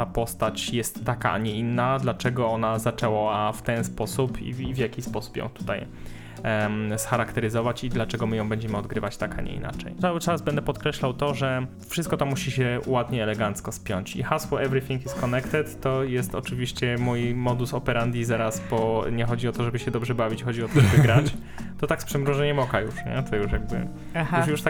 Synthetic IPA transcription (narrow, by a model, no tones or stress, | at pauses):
t̪apɔst̪at͡ɕjɛst̪ːakaʔa̰ɲɛinːad̪lat͡ʂɛɡɔɔnazat͡ʂɛwɔaft̪ɛnspɔsupʰḭvjakʲispɔsu̥pjɔ̰̃w̃t̪u̥t̪aj | sxaɾakt̪ɛɾɘzɔvat͡ɕid̪lat͡ʂɛɡɔmɘjɔ̃w̃bɛɲd͡ʑɛmɘɔd̪ɡɾɘvat͡ɕt̪aka̰ɲɛ̰ḭna̰t͡ʂɛ̰j̪sawɘt͡ʂazbɛnd̪ɛpɔt̪kɾɛɕlawt̪ɔʐɛ | fʂɘst̪̚kɔt̪ɔmuɕiɕɛwad̪ɲɛɛlɛɡant̪skɔspʲjɔɲt͡ɕḭxasfɔʔɛvɾifʲĩŋkiskɔnɛkt̪ɛt̪ːɔjɛst̪ɔt͡ʂɘvʲiɕt͡ɕɛmujmɔd̪usɔpɛɾʔand̪ʲizaɾasbɔɲɛxɔd͡ʑiɔt̪ɔʐɛbɘɕɛd̪ɔbʐɛbavʲit͡ɕxɔd͡ʑiɔt̪ɔʐɛbɘɡɾat͡ɕ | t̪ɔt̪akspʂɛmɾuʐɛɲɛmɔkajuʂɲɛ̰t̪ʰɔjuʂjaɡ̚bɘ̰ | uʂjuʂt̪a